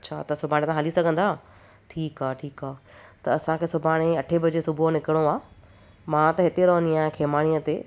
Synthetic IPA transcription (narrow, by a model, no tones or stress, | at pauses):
t͡ɕʰa̰ːt̪ɐsʊbʱaːɽ̃t̪ãɦalisɐɡʱə̃n̆d̪aː | ʈʰiːkaːʈʰiːkaːt̪ɐːsãkʰeːsʊbʱaːɽ̃eɐʈʰebɐd͡ʑesʊbʱonɪkɪɽ̃oaː | mãt̪ɐɦɪt̪eɾoɦəniaːɦkʰeːmaːɽ̃ijət̪eː